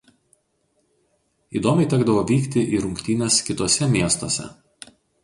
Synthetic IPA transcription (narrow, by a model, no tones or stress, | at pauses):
iːd̪oːmʲɛɪt̪ʲɛɡd̪ɐʋoːʋʲiːkt̪ʲɪʔiːɾʊŋʲkt̪ʲiːnʲɛskʲɪt̪oːsʲɛmʲiɛst̪oːsʲɛ̰